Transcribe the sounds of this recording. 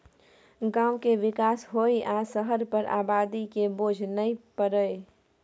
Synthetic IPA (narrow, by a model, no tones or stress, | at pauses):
ɡãːʊ̃keʋɪkaːsɦoːiʔaːsəɦəɾpəɾʔa̰ːbaːd̪ikeboːd͡ʒʱnəĩpəɾəe